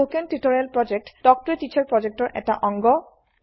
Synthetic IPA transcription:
okentiʈoɹialpɹɔd͡ʑek̚ʈd̥ɔk̚tɔɹetit͡ɕʰaɹpɹɔd͡ʑek̚ʈɔɹʔɛ̰k̚ta̰ʔɔŋɡɔ

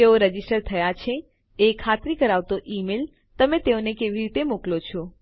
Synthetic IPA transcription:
eoɾəd͡ʒisʈəɾt̪ʰəjat͡ʃʰe | ekʰat̪ɾikəɾaʋt̪oʔimel | t̪əmẽt̪eonekeʋiɾit̪emuklot͡ʃʰo

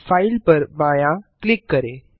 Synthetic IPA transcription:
fajlpəɾʋaːjãklikːəɾe

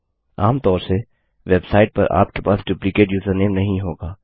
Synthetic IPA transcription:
aːmt̪ɔːɾse | ʋeːbsaːɪʈ̚pɐ̰ɾʔa̰ːp̚kepaːsɖuːplɪkeːʈjuːzəɾneːmnɐɦĩɦoːɡaː

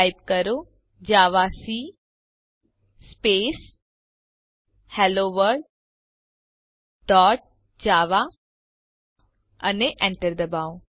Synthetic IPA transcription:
jb̚kəɾo | d͡ʒaːʋasi | speːs | hɛloːʋəɾɖ | dɔːʈ̚ | d͡ʒaːʋa | ɐneʔɛ̃ɳʈəɾd̪əbaːõ

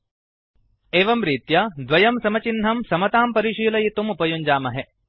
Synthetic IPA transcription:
eːʋɐmɾiːt̪jɐd̪ʋɐjɐmsɐmɐt͡ʃinɦɐmsɐmɐt̪aːmpɐɾiʃiːlɐjit̪umupɐjuɲd͡ʒaːmɐɦe

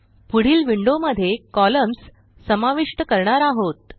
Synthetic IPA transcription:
puɽ̤iːlʋiɳɖoməd̪ʱːjekɔləms | səmaʋiʂʈəkəɾɳaɾaɦot̪̚

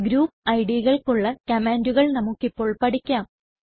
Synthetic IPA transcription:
ɡɾuːpːɐjɽiɣɐɭkuɭːɐkɐmeːnduɣɐɭnɐmukːipːo̞ːɭpɐɽikʲːaːm

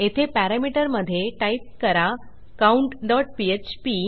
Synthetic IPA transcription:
et̪ʰepæɾamiʈəɾməd̪ʱːjeʈaip̚kəɾa | kauɳʈɖɔʈ̚piet͡ɕpi

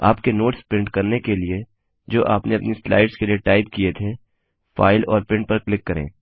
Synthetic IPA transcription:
aːpkenoːʈspɾɪ̃ɳʈkɐɾnekelie | d͡ʒoːʔaːpneɐpnisla̰ːɪɖskelieʈaːɪp̚kiet̪ʰe | fa̰ːɪlɔːɾpɪ̃ɳʈ̚pɐɾklɪkːɐɾḛ̃ː

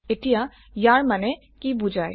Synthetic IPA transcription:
eʈija | jaɾmɐne | kibud͡ʒaːḛ

